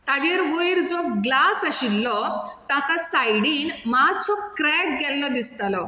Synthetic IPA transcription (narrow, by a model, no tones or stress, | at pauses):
t̪ad͡ʑeɾʋojɾd͡zɔɡlasaɕilːɔt̪ãkasajɽiːnmat͡sɔkɾɛk̚ɡɛlːɔd̪ist̪alɔ